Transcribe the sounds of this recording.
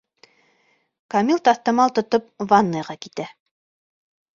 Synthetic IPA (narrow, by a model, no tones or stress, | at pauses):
kɐmʲilˠt̪ɑθt̪ɑ̆mɑlˠt̪ŏt̪op̚vɑnːɑjʁɑkit̪æ